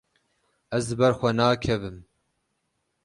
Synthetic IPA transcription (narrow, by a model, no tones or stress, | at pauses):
ɛzdɨbɛɾxʷɛnaːkʰɛvɨm